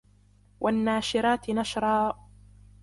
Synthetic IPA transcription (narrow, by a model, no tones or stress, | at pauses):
wʔanːaːʃɪɾaːt̪ɪnaʃɾˤɑː